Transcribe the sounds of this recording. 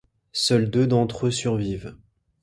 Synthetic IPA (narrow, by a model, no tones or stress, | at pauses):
sœld̪ød̪ɑ̃t̪χøsyʁviːv